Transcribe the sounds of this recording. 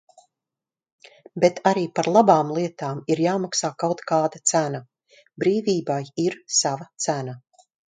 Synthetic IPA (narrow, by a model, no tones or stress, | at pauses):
bet̪ʰaɾiːpaɾlˠabaːmlˠiɛt̪aːmiɾjaːmaksaːkawt̪kaːd̪at̪sæna | bɾiːviːbajiɾsavat̪sæna